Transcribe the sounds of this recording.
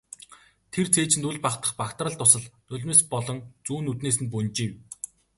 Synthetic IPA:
t̪ʰert͡sʰeːt͡ɕɪ̆nt̪uɮʲpaχt̪ə̆χpakt̪ə̆rə̆ɬt̪ːʊsə̆ɮnɵɮʲmĕspɔɮɞ̆ŋt͡suːnːut̪neːs̬ɘ̆np̬unt͡ɕiːw

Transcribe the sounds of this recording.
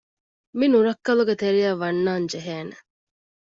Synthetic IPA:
minuɾɐkːɐluɡet̪eɾijæʋɐnːaːnd͡ʒeɦeːne

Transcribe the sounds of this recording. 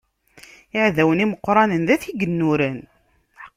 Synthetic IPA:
ɪʕðæwəniməqːɾˤɑnənðæθiɡənːuɾən

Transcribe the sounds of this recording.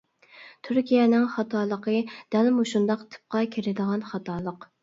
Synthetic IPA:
t̪ʰyɾkʲijɛnɪŋχɑt̪ʰɑːlˠəqʰəd̪̥ælmuʃund̪ɑqt̪ʰɨ̥p̚qɑkʲʰeɾɪd̪əʁɑnχɑt̪ʰɑːlˠəq

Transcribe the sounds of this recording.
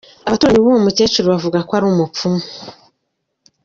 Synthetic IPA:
aβatuːɾaɲiβuomute̞ːt͡ʃuɾoβavuɡakwaɾuːmupfumu

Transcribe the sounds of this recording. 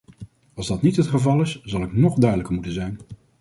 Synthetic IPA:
ɑlˠzdɑtnitɦətχəvɑlˠɪsz̥ɑlˠɪknɔχdœɥdələkəɹmutənzɛjn

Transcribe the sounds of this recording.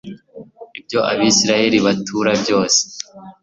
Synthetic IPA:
ib̚ɟo̞ʔaβiːsiɾaje̞ɾiβatʰuːɾabɟo̞ːse̥

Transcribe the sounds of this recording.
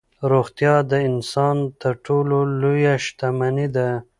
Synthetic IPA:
ɾoxt̪jɑd̪əɪnsɑnt̪əɾʈʰololojaʃt̪amanid̪a

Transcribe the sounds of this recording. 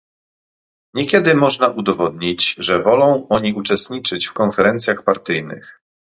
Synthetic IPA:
ɲɛkʲɛd̪ɘmɔʐnaʔud̪ɔvɔd̪ɲid͡ʑʐɛvɔlɔ̃w̃ɔɲiut͡ʂɛst̪ɲit͡ʂɘt͡ɕfkɔnfɛɾɛnt̪sʲjaxpaɾt̪ɘjnɘ̰x

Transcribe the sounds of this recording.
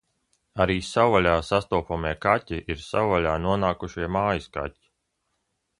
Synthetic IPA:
aɾiːsawalʲaːsast̪uɔpɔmiɛkatʲiʔiɾsawalʲaːnuɔnaːkuʃiɛmaːjiska̰ti̥

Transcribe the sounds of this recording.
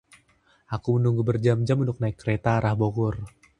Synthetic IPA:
akumənuŋɡubərd͡ʒamd͡ʒamund̪ʊk̚naɪkːəɾet̪aːɾahboɡʊr

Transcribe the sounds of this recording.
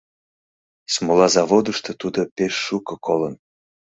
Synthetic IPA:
smolɑzɑβod̪əʃt̪ot̪ud̪opeʃːukɤ̆kʰolən

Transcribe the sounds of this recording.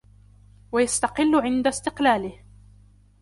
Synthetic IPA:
wajast̪ɑqɪlːʊʕɪnd̪ast̪ɪqlaːlɪh

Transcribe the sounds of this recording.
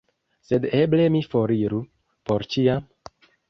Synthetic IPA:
se̞de̞ble̞mifo̞ɾiɾu | po̞ɾt͡ʃiam

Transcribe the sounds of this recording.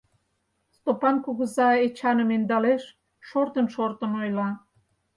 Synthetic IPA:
st̪opɑnkuɣə̆zɑet͡ɕɑnə̆mend̪ɑleʃ | ʃort̪ənʃort̪ə̆nojlɑ

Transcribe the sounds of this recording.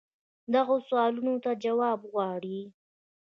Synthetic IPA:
d̪aɣoswɑlunot̪ad͡ʒawɑbɣwɑɽi

